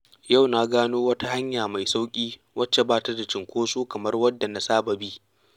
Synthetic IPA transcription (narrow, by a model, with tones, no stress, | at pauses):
ja˦˨wna˦ɡaː˦noː˦wɐ˦ta˦ha˦ɲjaː˨ma˨jsa˦wkʲʼiː˦ | wɐ˦t͡ʃːe˨baː˦˨ta˦da˨t͡ʃɪ˨ŋkʷoː˦suː˦kɐ˨mɐ˦rwɐ˦dːa˨na˨saː˦bɐ˨biː˦